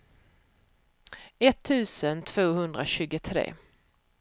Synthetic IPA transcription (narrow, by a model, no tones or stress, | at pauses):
ɛt̪ʰːʉ̟ːsənt̪ʰv̥oːhɵnd̪ɾaɕʉ̟ːɡət̪ʰɾḛː